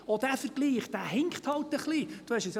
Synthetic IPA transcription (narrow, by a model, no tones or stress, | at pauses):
od̪æfəɾɡ̥liːχd̥̪æhɪŋkχt̪hɑlt̪əχlid̥uhɛʃɪs